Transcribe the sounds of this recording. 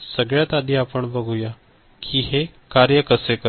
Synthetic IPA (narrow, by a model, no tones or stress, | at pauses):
səɡɭjat̪ad̪ʱiːapəɳbəɡʱuja | kʰiːɦe | kaɾjəkəsekə